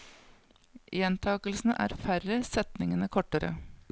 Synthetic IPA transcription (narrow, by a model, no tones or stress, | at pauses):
ʔʔɛnt̪ʰɑːkəlsn̩əʔæ̰ːɾfæɾəsɛt̪nɪŋənəkʰɔʈːəɾə̰